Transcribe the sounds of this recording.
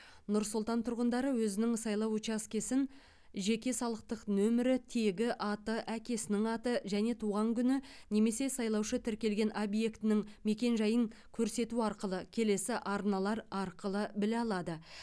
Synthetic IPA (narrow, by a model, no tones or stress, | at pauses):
nʊɾsʊlˠt̪ɑnt̪ʰʊɾʁənd̪ɑɾəwɵzɪnɪŋsɑjlˠɑwut͡ʃɑskʲe̞sɪn | ʒe̞kʲe̞sɑlˠəq̚t̪əqnɵmɪɾɪt̪ʰe̞ɡʲɪʔɑt̪əʔækʲe̞sɪnɪŋɑt̪əʒæne̞t̪ʰuʁɑŋkʲʰʏnɪne̞me̞se̞sɑjlˠɑwʃət̪ʰɪɾkʲe̞lɡʲe̞nʔo̞bje̞kt̪ɪnɪŋme̞kʲe̞nʒɑjəŋkʲʰɵɾse̞t̪uɑɾqəlˠəkʲʰe̞le̞sɪʔɑɾnɑlˠɑɾɑɾqəlˠəbɪleɑlˠɑd̪ə